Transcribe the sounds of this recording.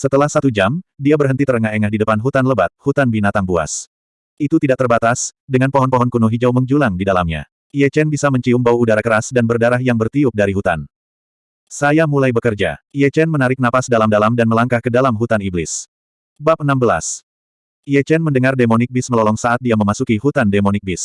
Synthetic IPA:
sət̪əlahsat̪ud͡ʒamdiabərɦənt̪it̪ərəŋahɛŋahdidəpanɦut̪anləbat̪̚hut̪anbinat̪aŋbua̰s | ʔit̪ut̪idaʔ̚t̪ərbat̪asdəŋanpoɦɔnpɔɦɔnkunuɦid͡ʒawməŋd͡ʒulaŋdidalamɲa̰ | iɛt͡ʃɛnbisaməɲt͡ʃiumbauudaɾakəɾasdanbərdaɾahjaŋbərt̪iup̚daɾiɦut̪a̰n | sajamulajbəkərd͡ʒa̰iɛt͡ʃɛnmənaɾɪk̚napasdalamdalamdanməlaŋkahkədalamɦut̪aniblɪs | bap̚ənambəla̰s | ʔiɛt͡ʃɛnməndəŋardemonɪk̚bɪsməlɔlɔŋsaʔat̪̚diaməmasukiɦut̪andemonɪk̚bɪs

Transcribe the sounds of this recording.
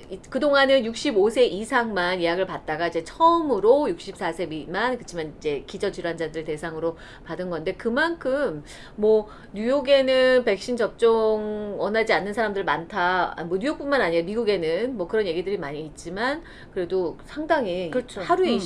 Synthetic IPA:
ikɯdoŋanɯnjuk̚ɕ͈ibosʰe̞ʔisʰaŋmanijaɡɯɭpat̚t͈aɡaid͡ʑe̞t͡ɕʰʌɯmɯɾojuk̚ɕ͈ip̚s͈ʰasʰe̞bimankɯt͡ɕʰimanid͡ʑe̞kid͡ʑʌt͡ɕiɾwand͡ʑadɯɭte̞sʰaŋɯɾo | padɯnɡʌnde̞kɯmankʰɯmː | ʌ | ɲujoɡe̞nɯnpe̞k̚ɕ͈int͡ɕʌp̚t͡ɕ͈oŋwʌnad͡ʑianːɯnsʰaɾamdɯɭmantʰaa̰mwʌɲujok̚p͈unmanaɲiɾamiɡuɡe̞nɯnmwʌkɯɾʌnje̞ɡidɯɾimaɲiːt̚t͡ɕ͈iman | kɯɾe̞dosʰaŋdaŋikɯt͡ɕʰohaɾue

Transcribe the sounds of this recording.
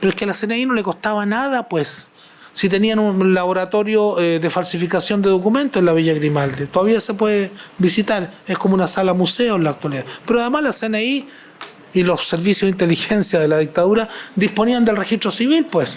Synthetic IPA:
peɾoekelaseneinoleko̞st̪aβanaðapwesː | it̪̬enianunlaβoɾat̪o̞ɾjoðefalsifikasjo̞nd̪eðokumẽ̞nt̪oenlaβiʝaɣɾimald̪et̪oðaβiasep̬weðebisit̪aɾehkomounasalamuseonlaːk̚t̪waliðapeɾoaðemaslaseneiː | losːeɾβisjohðint̪elixensjaðelaðik̚t̪aðuɾad̪ihspo̞niand̪elrexiht̪ɾosiβilpwes

